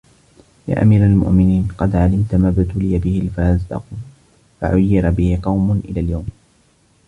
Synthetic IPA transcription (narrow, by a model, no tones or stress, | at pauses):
ja̰ːʔa̰miːɾalmʊ̰ʔmɪniːnqɑd̪ʕalɪmt̪maːbɪt̪ʊlɪjabɪhɪlfazd̪ɑ̰q | fa̰ʕʊjːɪɾbɪhɪqɑwmʊnʔɪlaːljawm